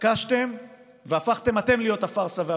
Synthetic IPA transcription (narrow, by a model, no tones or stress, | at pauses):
kaʃt̪e̞m | veafaχt̪e̞mhat̪e̞mlijo̞t̪afaʁsavea